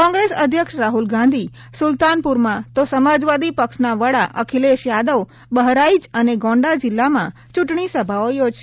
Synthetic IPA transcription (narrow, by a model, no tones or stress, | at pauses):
kɔ̃ŋɡɾesəd̪ʱjəkʂɾaɦulɡãnd̪ʱi | sʊlt̪anpuɾmãt̪osəmad͡ʒʋad̪ipəkʃnaʋəɽaʔəkʰileʃjad̪əw | bəɦɾaid͡ʒəneɡɔ̃ɳɖad͡ʒɪlːamã | t͡ʃuʈɳisəbʱaojod͡ʒʃ